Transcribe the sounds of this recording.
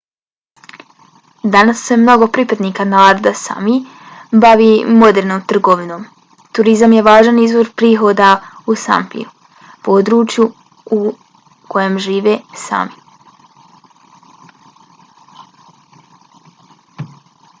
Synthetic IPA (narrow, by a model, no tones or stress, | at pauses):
d̪anasːe̞mno̞ɡo̞pɾipad̪niːkanaːɾo̞d̪asa̰mi | baʋiːmo̞d̪eɾnoːmt̪r̩ɡo̞ʋino̞ːm | t̪uɾizamje̞ʋaːʒanizʋo̞ɾpɾiːɦo̞ːd̪ausa̰mpḭu | po̞ːd̪ɾuːt͡ʃju | u | ko̞jemʒiːʋeːsa̰ːmi̥